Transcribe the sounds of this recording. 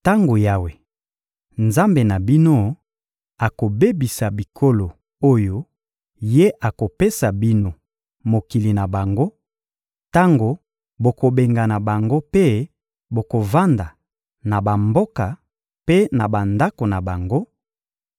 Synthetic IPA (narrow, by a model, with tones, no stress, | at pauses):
ta˦ŋɡo˨ja˦we˨ | nza˦mbe˨na˨bi˦no˦ | a˨ko˨be˦bi˨sa˨bi˨kʰo˦lo˨ | o˦jo˦ | je˦ʔa˨ko˨pe˦sa˨bi˦no˨ | mo˨ki˨li˨na˨ba˨ŋɡo˦ | ta˦ŋɡo˨ | bo˨ko˨be˨ŋɡa˨na˨ba˨ŋɡo˦pe˦ | bo˨ko˨va˦nda˨ | na˨ba˨mbo˦ka˨ | pe˦na˨ba˨nda˦ko˨na˨ba˨ŋɡo˦